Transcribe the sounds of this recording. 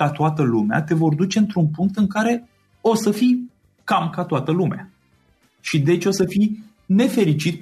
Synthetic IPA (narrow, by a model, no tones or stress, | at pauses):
at̪oat̪əlumea̰t̪e̞vo̞rd̪ut͡ʃe̞ɨnt̪ɾunpuŋk̚t̪ɨŋkaɾe̞ | o̞səfij | kamkat̪oat̪əlumea | ʃid̪e̞t͡ʃo̞səfij | ne̞fe̞ɾit͡ʃit̪